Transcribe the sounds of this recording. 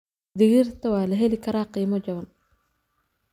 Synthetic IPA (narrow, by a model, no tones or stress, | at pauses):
d̪ɪɣirt̪ʰɐwaːlɐɦɛlɪkʰɐɾaːqiːmɔd͡ʒɐβɐn